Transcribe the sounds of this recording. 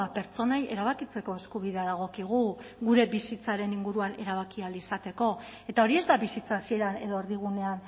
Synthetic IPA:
pe̞ɾt͡so̞naje̞̰ɾaβ̞akit͡se̞ko̞e̞skuβ̞iðe̞aðaɣ̞o̞kiɣ̞uɣuɾe̞βisit͡saɾe̞niŋɡuɾuane̞ɾaβ̞akialisat̪e̞ko̞e̞t̪ao̞ɾie̞zd̪aβisit͡saːsie̞ɾane̞ðo̞eɾðiɣ̞une̞an

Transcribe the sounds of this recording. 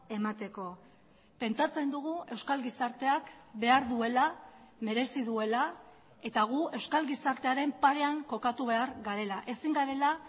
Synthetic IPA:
e̞mat̪e̞ko̞ | pe̞nt͡sat͡se̞nd̪uɣ̞ue̞wskalɣisaɾt̪e̞akbe̞aɾðue̞lame̞ɾe̞siðue̞la | e̞t̪aɣ̞ue̞wskalɣisaɾt̪e̞aɾe̞mpaɾe̞aŋko̞kat̪uβ̞e̞aɾɣaɾe̞laʔe̞siŋɡaɾe̞la

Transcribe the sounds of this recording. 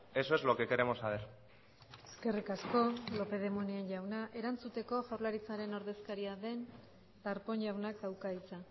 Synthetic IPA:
e̞soezlo̞ke̞ke̞ɾemo̞saβ̞eɾ | eske̞rikasko̞lo̞pe̞ð̞e̞monienʝawnaʔe̞ɾant͡sut̪e̞ko̞ʝawɾlaɾit͡saɾe̞no̞ɾðe̞skaɾiaðe̞n | t̪aɾpo̞nʝawnak̚d̪awkait͡sa

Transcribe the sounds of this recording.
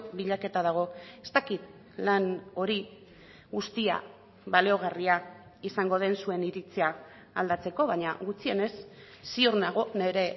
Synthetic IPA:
βiʎake̞t̪aðaɣ̞o̞e̞st̪akit̪ | lano̞ɾi | ɣust̪ia̰ | βalio̞ɣaria | isaŋɡo̞ð̞e̞nsue̞niɾit͡sea | ald̪at͡se̞ko̞βaɲaɣut͡sie̞ne̞sː | ioɾnaɣ̞o̞ne̞ɾe̞

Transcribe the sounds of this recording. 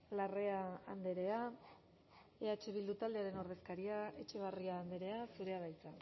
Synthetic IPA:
lare̞aand̪e̞ɾe̞a | e̞at͡ʃe̞βild̪ut̪ald̪e̞aɾe̞no̞ɾð̞e̞skaɾiae̞t͡ʃe̞β̞ariaːnd̪e̞ɾe̞asuɾe̞aβajt͡sa

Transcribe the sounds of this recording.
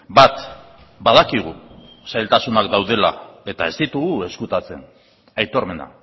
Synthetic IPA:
bat̪ | baðakiɣ̞u | sajlt̪asunakd̪awð̞e̞la̰e̞t̪ae̞zd̪it̪uɣue̞skut̪at͡se̞̰n | ajt̪o̞ɾme̞na̰

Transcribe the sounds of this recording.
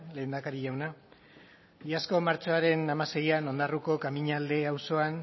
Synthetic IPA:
le̞ːnd̪akaɾiʝawna | iasko̞maɾt͡ʃoaɾe̞namase̞jano̞nd̪aruko̞kamiɲald̪e̞awso̞an

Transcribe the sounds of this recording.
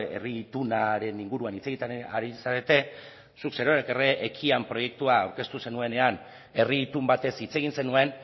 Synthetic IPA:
e̞̰rit̪unaɾe̞niŋɡuɾuanit͡se̞ɣit̪eaɾisaɾe̞t̪e̞ | sukseɾoɾekereʔːkʰiampɾo̞je̞k̚t̪uaːwɾke̞st̪use̞nue̞ne̞an | e̞rit̪umbat̪e̞sit͡se̞ɣ̞inse̞nue̞n

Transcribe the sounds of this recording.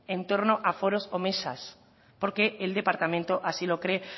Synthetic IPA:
ẽnt̪oɾnoʔafoɾosomesa̰s | poɾkeːld̪epaɾt̪amẽnt̪oʔasilokɾe

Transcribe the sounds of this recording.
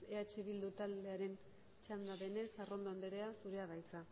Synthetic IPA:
eat͡ʃiβ̞ild̪ut̪ald̪e̞aɾe̞n | t͡ʃand̪aβe̞ne̞saro̞nd̪oand̪eɾe̞asuɾe̞aɣajka

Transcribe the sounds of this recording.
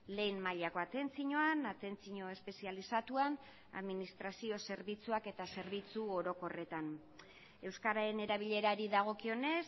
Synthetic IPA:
le̞jnmaʎako̞at̪e̞nt͡siɲoanat̪e̞nt͡siɲo̞e̞spe̞sialisat̪uan | a̰ðminist̪ɾasio̞se̞ɾβit͡suake̞t̪ase̞ɾβ̞it͡suoɾo̞ko̞re̞t̪an | e̞wskaɾae̞ne̞ɾaβ̞iʎe̞ɾaɾiðaɣ̞o̞kio̞ne̞s

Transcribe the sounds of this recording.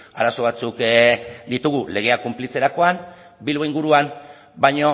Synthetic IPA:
aɾaso̞βat͡sukd̪it̪uɣ̞ule̞ɣ̞e̞akumplit͡se̞ɾako̞an | bilβo̞iŋɡuɾuam | bajɲo̞

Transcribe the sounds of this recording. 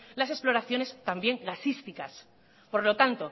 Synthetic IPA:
lase̞splo̞ɾaθjo̞ne̞st̪ambje̞ŋɡasist̪ikas | po̞ɾlo̞t̪ant̪o̞

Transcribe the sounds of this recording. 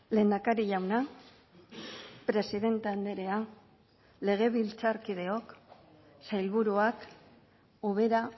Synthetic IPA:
le̞ːnd̪akaɾiʎawna | pɾe̞siðe̞nt̪eand̪eɾe̞a | le̞ɣ̞e̞βilt͡saɾkiðe̞o̞k | sajlβuɾuak | uβ̞e̞ɾa

